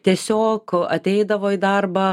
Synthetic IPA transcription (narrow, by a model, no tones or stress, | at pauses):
t̪ʲiɛsʲoːkɐt̪ʲɛɪd̪ɐʋoːid̪ɐrbɐ